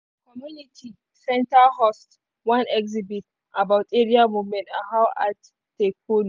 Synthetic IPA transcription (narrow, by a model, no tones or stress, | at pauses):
kɔmjunitʰi | sɛ̃ntahɔst | wãnɛkzibit | ʔabawtɛɾiamuvmɛ̃ntaɦawat | tːek̚un